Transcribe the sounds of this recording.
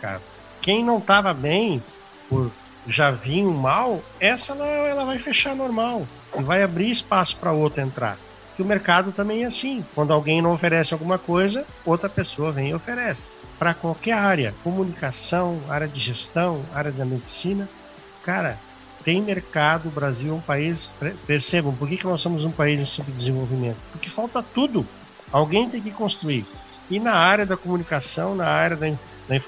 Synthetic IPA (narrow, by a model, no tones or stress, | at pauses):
meɾka̰d̪ʊ | kẽj̃nɐ̃w̃t̪avɐbẽj̃ | pʊɾ | ʒavĩũmawɛsɐlaɛɛlɐvajfeʃanoɾmaw | ɪvajabɾiɾɪspasʊ̥pɾɐowt̪ɾʊẽnt̪ɾa̰ɾ | pʊɾkɪʊmeɾkad̪ʊt̪ɐ̃mẽj̃ɛasĩkwɐ̃nd̪ʊawɡẽj̃nɐ̃w̃ofeɾɛsɪawɡũmɐkojzɐ | owt̪ɾɐpesoɐvẽj̃ɪofeɾɛsɪ̥ | pɾɐkwawkɛɾaɾjɐ̰komunikasɐ̃w̃aɾjɐd͡ʒ̪ɪʒest̪ɐ̃w̃aɾjɐd̪ɐmed͡ʒ̪ɪsĩnɐ | kaɾɐ | t̪ẽj̃meɾkad̪ʊbɾaziwɛũpaispɾepeɾsebɐ̃w̃pʊɾkekɪnɔssːõmʊzũpaizẽsĩpɾʊd̪ɪzẽvowvimẽnt̪ʊ̥pʊɾkɪfawt̪ɐt̪ud̪ʊ | awɡẽj̃t̪ẽj̃kɪkõst̪ɾuiɾ | ɪnɐaɾjɐd̪ɐkomunikasɐ̃w̃nɐaɾjɐd̪ɐĩ | d̪̥ɐĩf